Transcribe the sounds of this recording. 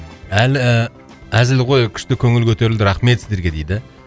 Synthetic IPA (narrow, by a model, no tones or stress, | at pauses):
ælə | æzɪlʁo̞jkʲʰʏ̥ʃt̪ɪkʲʰɵŋɪlkʲʰɵt̪e̞ɾɪld̪ɪɾɑχme̞t̪sɪzd̪e̞ɾɡʲe̞d̪ejd̪ɪ